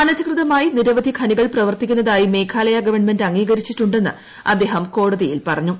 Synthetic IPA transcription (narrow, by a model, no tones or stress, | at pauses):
ɐnɐd̪ʱɐkrɨðɐmaːjiniɾɐʋɐd̪ʱikʰɐniɣɐɭprɐʋɐrt̪ikʲːunːɐðaːjime̞ːkʰaːlɐjɐɡɐʋɐɳme̞ndɐŋːiːɡɐɾit͡ɕːiʈːuɳɖe̞nːɨ̰ | ɐd̪ːe̞ːɦɐmko̞ːɽɐðijilpɐrɐɲːu